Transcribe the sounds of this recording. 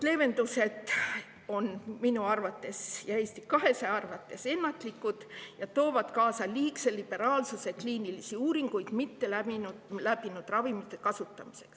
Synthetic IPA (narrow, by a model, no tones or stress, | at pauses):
le̞ːve̞nd̪use̞d̪ | o̞nminuɑrvɑt̪ːe̞sjɑe̞ːst̪ikɑɦe̞seɑrvɑt̪ːˑe̞se̞nːɑt̪ˑlikːˑud̪̥jɑt̪o̞ːvɑd̪̥kɑːsɑliːkse̞lib̥e̞ɾɑːlsusekliːnilisiuːɾiŋɡ̥ujd̪̥mit̪ːe̞læinlæb̥inud̪̥rɑvimit̪ːˑe̞kɑsut̪ːˑɑmi̥se̞ks